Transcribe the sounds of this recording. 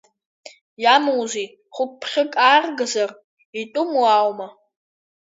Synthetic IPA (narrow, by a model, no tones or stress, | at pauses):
jamowzi | χʷʊp̚pʰχʲɪkʼaːrɡɨzar | itʼʊmwawma